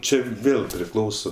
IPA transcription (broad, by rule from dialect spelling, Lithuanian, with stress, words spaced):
ˈt͡ʃʲɛ ˈʋʲeːlˠ pʲrʲɪˈklˠɐʊsoː